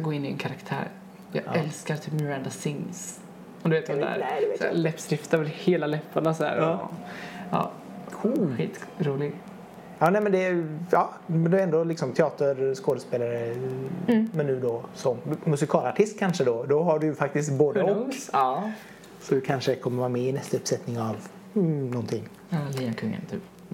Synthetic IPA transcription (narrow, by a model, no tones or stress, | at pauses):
ɡoːɪnːɪɛ̰nkʰaɾakt̪ʰæ̰ːɾ | jɑ̰ːɛlskaɾt̪ʰɪmœɾɛnd̪asɪŋs | ɔd̪ʉʋeːt̪d̪æ̰ɾd̪slɛpːsɾɪft̪avɛlheːlalɛpʰːaɳasɔd̪æ̰ːɾ̰ | ɑ̰ː | kʰɧḭːt̪ɾuːlɪɡ | ɑːnɛmɛnd̪ɛɑːmɛnd̪ɛɛnd̪ɔlɪksɔmt̪ʰɛɑːt̪əɾskoːd̪əspeːlaɾə | mɛnːʉ̟ːd̪ɔsɔmːɵsɪkʰɑːlaʈʰɪst̪̚kʰanʂəd̪ɔd̪ɔɦaɖɵjɵfak̚t̪ɪst̪boːd̪əɔkː | sɔd̪ɵkʰanʂəkʰɔmːəɾvɑːɾamɛɪnɛst̪aɵpsɛt̪nɪŋav | nɔnt̪ʰɪŋː | liːnakʰɵŋːə̰nt̪ʰy̰ːp